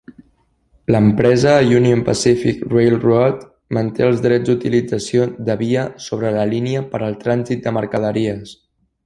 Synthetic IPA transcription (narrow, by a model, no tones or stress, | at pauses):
ləmpɾɛzəjuniompə̰sifikrejlrɔt̪ | mənt̪eəlˠzðɾɛd͡zd̪ut̪ilid͡zəsioðəβiəsoβɾələliniəpəɾəlˠt̪ɾanzit̪̚d̪əməɾkəð̞əɾiəs